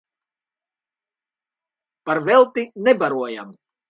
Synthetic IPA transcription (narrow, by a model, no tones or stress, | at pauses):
paɾvɛlˠt̪inɛbaɾuɔja̰m